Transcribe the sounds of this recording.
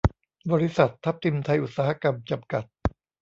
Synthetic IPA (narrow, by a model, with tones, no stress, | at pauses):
bɔː˧ɾi˦˥sa˨˩t̪ʰːa˦˥p̚t̪ʰi˧mt̪ʰa˧jʔu˨˩t̪̚saː˦ha˧ka˧mt͡ɕa˧mka˨˩t̪̚